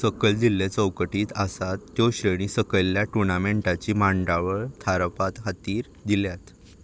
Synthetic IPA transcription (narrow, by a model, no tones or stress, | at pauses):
səkəɭd͡ʑilːet͡səwkəʈiːt̪asat̪ːjoɕɾəɽ̃iːsəkəjlːjaʈunameɳʈat͡ɕiːmaɳɖaʋəɭt̪ʰaɾpat̪ɦat̪iːɾ | d̪iljat̪